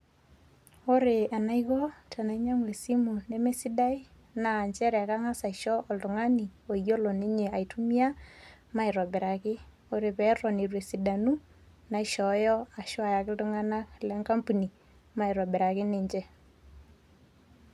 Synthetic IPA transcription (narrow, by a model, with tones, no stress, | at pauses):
o˦ɾe˨a˨na˦ikɔ˦tʰa˨na˨i˦ɲa˦mwe˨si˦mu˨ne˦me˦si˦da˦i˦ | naː˨ɲt͡ʃɛ˦ɾɛ˨ka˦ŋa˦sa˨i˨ʃɔ˦ʔɔ˨ltʊ˨ŋa˦ni˨o˨jo˦lɔ˨ne˦ɲe˨a˨i˨tu˦mi˦a˦ma˦i˨ɾɔ˨bɛ˨ɾa˨kɪ˦ | o˦ɾe˨pɛ˨˦rɔ˨ne˨ɾwe˨si˨da˨nu˦ | na˨iʃɔ˨˦jɔ˦a˨ʃwa˨ja˨kɪ˦ltʊ˦ŋa˦na˦klɛ˦ŋka˦mpu˨ni˨ | ma˦i˨ɾɔ˨bɛ˨ɾa˨kɪ˦ne˨ɲd͡ʒɛ˦